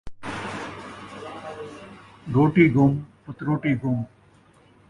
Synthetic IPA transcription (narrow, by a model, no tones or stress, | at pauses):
ɡoːʈiːɡʱʊmpət̪ɾoːʈiːɡʱʊm